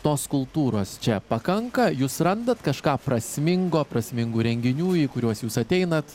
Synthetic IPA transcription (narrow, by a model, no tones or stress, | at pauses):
t̪oːskʊlˠt̪uːɾoːst͡ʃʲɛpɐkɐŋkɐjuːsɾɐnd̪ɐt̪kɐʃkɑːpɾɐsʲmʲɪŋɡoːpɾɐsʲmʲɪŋɡuːɾʲɛŋʲɡʲɪnʲuːiːkʊɾʲuɔsjuːsɐt̪ʲɛɪnɐt̪